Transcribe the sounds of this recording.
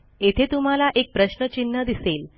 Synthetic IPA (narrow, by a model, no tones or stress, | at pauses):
et̪ʰet̪um̤alaʔek̚pɾəɕnət͡ɕinːad̪isel